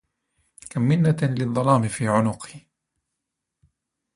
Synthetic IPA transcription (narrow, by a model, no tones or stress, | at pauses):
kamːɪnːalɪðˤːɑlɑːmɪfiːʕʊnʊqh